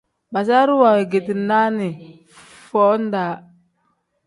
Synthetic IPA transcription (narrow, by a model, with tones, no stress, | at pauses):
ba˨s̬a˦ɾu˦wa˨we˨ɡe˨ti˨na˦ni˨ | fɔ˦n˦da˨˦